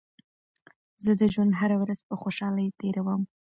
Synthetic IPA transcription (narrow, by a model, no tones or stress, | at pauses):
zəd̪əʒwand̪ɦaɾawɾaz̥pəxoʃɑləjt̪eɾawəm